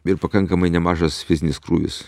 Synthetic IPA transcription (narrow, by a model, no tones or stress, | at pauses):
ɪɾpɐkɐŋkɐmɐɪnʲɛmɑːʒɐsfʲɪzʲɪnʲɪskɾuːʋʲɪ̰s